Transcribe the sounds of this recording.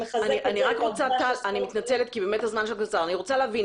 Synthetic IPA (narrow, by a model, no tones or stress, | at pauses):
aniʔaniʁakʁot͡sat̪alanimit̪nat͡selet̪kibemet̪hazmanʃelkat͡saʁaniʁot͡saleavin